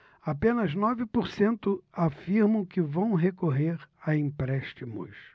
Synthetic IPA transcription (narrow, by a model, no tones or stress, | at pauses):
apẽnɐznɔvɪpoɾsẽnt̪ʊafiɾmɐ̃w̃kɪvɐ̃w̃ɦekoɦeɾaĩmpɾɛʃt͡ʃimʊ̰s